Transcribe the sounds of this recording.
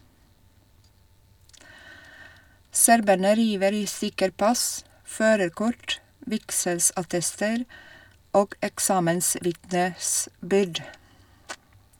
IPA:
ˈsæɾbæɳə ˈɾiːʋəɾ ˈiː ˈsʏkəɾ ˈpɑs ˈføːɾəɾˌkʊʈ ˈʋɪksɛlsɑˌtɛstəɾ ˈoːɡ ɛkˈsɑːmənˌsʋɪtnəˌsbʏɾd

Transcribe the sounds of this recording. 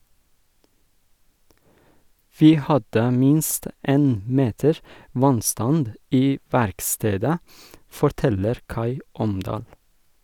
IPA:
ˈʋiː ˈhɑdə ˈmɪnst ˈeːn ˈmeːtəɹ ˈʋɑnˌstɑnd ˈiː ˈʋæɾkˌsteːdə fɔɾˈtɛləɾ ˈkɑɪ ˈɔmdɑːl

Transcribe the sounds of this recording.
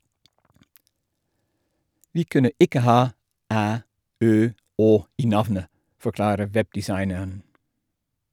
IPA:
ˈʋiː ˈkʉnə ˈɪkə ˈhɑː ˈæː ˈøː ˈoː ˈiː ˈnɑʋnə fɔˈklɑːɾə ˈʋɛbdɪˌsɑɪnəɳ

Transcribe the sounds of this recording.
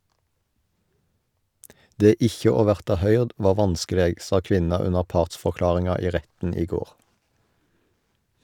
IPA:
ˈdeː ˈɪçə ˈoː ˈʋæʁtɑ ˈhœʏʁd ˈʋɑː ˈʋɑnskəˌleːɡ ˈsɑ ˈkʋɪnɑ ˈʉnəʁ ˈpɑːʁtsfɔʁˌklɑːʁɪŋɑ ˈiː ˈʁɛtn̩ ˈiː ˈɡoːʁ

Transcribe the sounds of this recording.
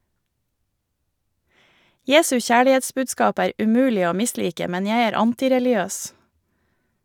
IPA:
ˈjeːsʉ ˈçæːɭɪˌeːtsbʉːdˌskɑːp ˈæːɾ ʉˈmʉːlɪ ˈoː ˈmɪˌsliːkə ˈmɛn ˈjæɪ ˈæːɾ ˈɑntɪɾɛlɪˌøːs

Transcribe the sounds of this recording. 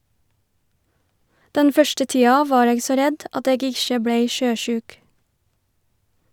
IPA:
ˈdɛn ˈfœʃtə ˈtiːɑ ˈʋɑːɾ ˈeːɡ ˈsoː ˈɾɛd ˈɑt ˈeːɡ ˈɪʃə ˈbɽeɪ ˈʃøːˌʃʉːk

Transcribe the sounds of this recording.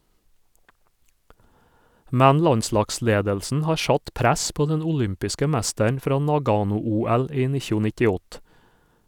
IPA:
ˈmɛn ˈlɑnˌslɑːkˌsleːdəlsn̩ ˈhɑːɾ ˈʃɑt ˈpɾæs ˈpoː ˈdɛn ʊˈlʏmpɪskə ˈmɛstəɳ ˈfɾɑː ˈnɑˌɡɑːnʊˌuːæl ˈiː ˈnɪçʊ nɪtɪˈɔt

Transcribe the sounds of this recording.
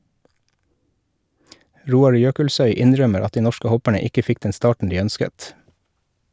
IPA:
ˈɾuːɑɾ ˈjøːkəlˌsœʏ ˈɪnˌɾœməɾ ˈɑt ˈdiː ˈnɔʃkə ˈhɔpəɳə ˈɪkə ˈfɪk ˈdɛn ˈstɑːʈɳ̩ ˈdiː ˈœnskət

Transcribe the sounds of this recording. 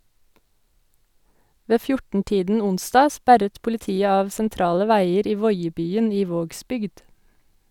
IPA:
ˈʋeː ˈfjʊʈn̩ ˈtiːdn̩ ˈʊnsdɑː ˈspæɾət pʊlɪˈtiːə ˈɑːʋ sɛnˈtɾɑːlə ˈʋæɪəɾ ˈiː ˈʋɔʏəbyːən ˈiː ˈʋoːɡsbʏɡd

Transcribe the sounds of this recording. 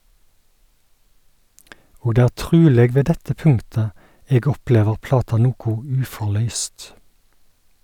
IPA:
ˈoː ˈdeː ˈæː ˈʈʁʉːleːɡ ˈʋeː ˈdɛtə ˈpʉŋtə ˈeːɡ ˈɔˌpleːʋəʁ ˈplɑːtɑ ˈnuːkʊ ˈʉːfɔˌɭœʏst

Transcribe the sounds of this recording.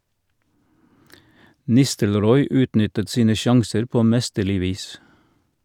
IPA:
ˈnɪstəlˌɾɔʏ ˈʉːtˌnʏtət ˈsiːnə ˈʃɑŋsəɾ ˈpoː ˈmɛstəˌlɪ ˈʋiːs

